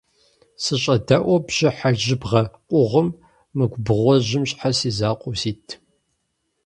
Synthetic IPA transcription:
sɨɕʼɐdɐʔʷɔbʑ̥ɪħaʒɪbʁɐqʷʼʊʁʷəmː | ɨɡʷbɨʁʷɔʑɪmɕʼħasiːzaːqʷʼʊsiːtʰ

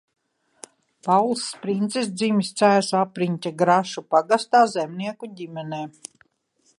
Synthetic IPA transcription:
pawlˠsːpɾint̪sis̬d̪ziːmist̪sæːsapɾiɲʲcʲaɡɾaʃupaɡast̪aːzɛmniɛkuɟʲimɛneː

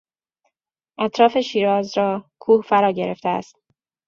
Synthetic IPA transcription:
ʔæt̪ʰɾɒːfe̞ʃiːɾɒːzɾɒːkʰuːhfæɾɒːɟe̞ɾe̞ft̪eæ̰st̪̚

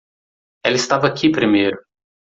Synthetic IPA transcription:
ɛlɐɪist̪avɐakʰipɾimejɾʊ

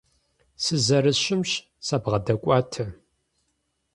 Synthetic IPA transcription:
sɨzɐɾɨɕɪmɕ | sabʁɐdɐkʷʼɑːtʰɐ

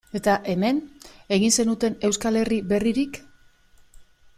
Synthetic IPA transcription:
e̞t̪aʔe̞me̞ne̞ɣ̞inse̞nut̪e̞ne̞wskale̞ribe̞riɾik

